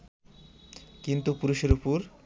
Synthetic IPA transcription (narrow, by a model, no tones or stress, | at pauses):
kint̪upuɾuʃeɾupuɾ